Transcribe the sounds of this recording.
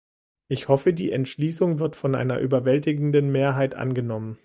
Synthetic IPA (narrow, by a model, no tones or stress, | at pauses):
ʔɪçhɔfədḭːʔɛntʃliːsʊŋvɪɐtfɔnʔa̰ɪnɐ̰ʔyːbɐvɛltɪɡŋ̩dənmeːɐɦaɪtʔa̰nɡənɔmən